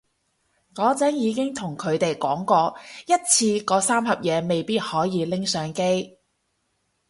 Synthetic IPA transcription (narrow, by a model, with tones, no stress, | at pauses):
ŋɔː˨˥t͡sɐ˨˥njiː˨˧kɪ˥ŋt̪ʰʊ˨˩ŋkʰɵ˨˧ɥt̪e˨jkɔː˨˥ŋkɔː˧jɐ˥t̚t͡sʰiː˧kɔː˨˥saː˥mɦɐ˨p̚jɛː˨˧me˨jpiː˥t̚hɔː˨˥jiː˨˧lɪ˥ŋsœː˨˧ŋke˥j